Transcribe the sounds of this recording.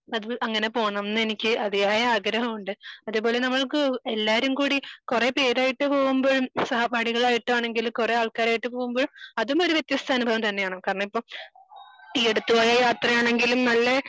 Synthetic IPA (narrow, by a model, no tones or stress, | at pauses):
ɐðuɐŋːɐne̞po̞ːɳɐmnːenikʲːɨʔɐðijaːjɐaːɡɾɐɦɐmuɳɖɨɐðupo̞ːle̞nɐmːɐɭkɨelːaːɾumkuːɽikure̞pe̞ːɾaːjiʈːɨpo̞ːɣumbo̞ːɻumsɐhɐbʱaːɽiɣɐɭaːjiʈːɨaːɳe̞ŋɡilumkure̞aːɭkaːɾaːjiʈːɨpoːɣumbo̞ːɻumɐðumo̞ɾuʋjet̪jɐst̪ʰaːnubʱɐʋɐmt̪ɐnːejaːɳokaːɾɐɳɐmipːoː | ieɽut̪ːuʋaːjɐjaːt̪rɐjaːɳe̞ŋɡilumnɐlːe